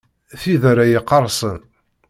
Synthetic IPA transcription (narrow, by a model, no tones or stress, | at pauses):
θiðaɾajəqːɑrˤsˤən